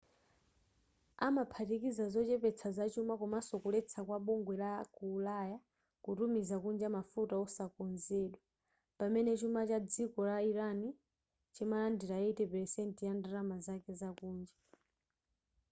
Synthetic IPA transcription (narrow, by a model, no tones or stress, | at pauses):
amapʰatikizazɔt͡ʃɛpɛt͡sʰazat͡ʃumakumasɔkulɛt͡sʰakwaɓɔŋɡwɛlakuːlaja | kutumizakund͡ʒamafutaɔsakɔnzɛɗwa | pamɛnɛt͡ʃumat͡ʃad͡zikɔlaiɾani | t͡ʃimalandiɾaitɛpɛɾɛsɛntijandaɾamazakɛzakuːnd͡ʒa